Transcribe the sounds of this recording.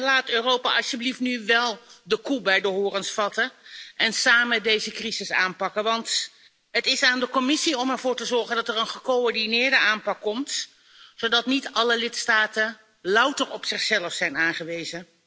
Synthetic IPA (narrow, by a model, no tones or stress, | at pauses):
laːtøːrowpa̰ːʔɑsjəbliftnyʋɛlˠdəkubɛjdəɦʊːrənsfɑtəʔɛnsaːmədejzəkrizɪsaːnpɑkəʋɑnt | ɦətɪsaːndəkɔmɪsiɔmɛɹv̥ʊːɹtəzɔɹχəndɑtɛrənχəkoɔɹdinɪːɹdəʔaːnpɑkːɔmt | sowdɑtnitɑləlɪtstaːtə | lʌwtərɔpsɪχsɛləfsɛjnaːnχəʋejzə